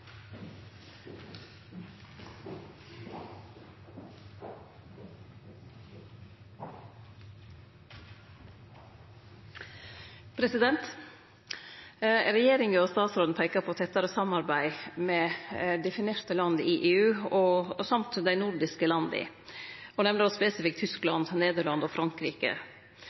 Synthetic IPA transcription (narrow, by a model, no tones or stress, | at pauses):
pʰɾɛsɪd̪ɛnt̪ | ɾɛjeːɾɪŋəɔst̪ɑːt̪sɾoːd̪n̩pʰæɪkɑpʰɔt̪ʰɛt̪ːɑɾəsɑmɑɾbæɪmɛːd̪ɛfɪneːɾt̪əlɑnd̪əʔɪʔeːʉːɔsɑmt̪d̪æɪnʊɾɖɪskəlɑnd̪əɪ̰ | ɔnɛʋnəɾɔspɛsɪfɪk̚t̪ʰʏsklɑ̰nd̪neːd̪əɭɑnd̪ɔfɾɑŋkɾiːkə̰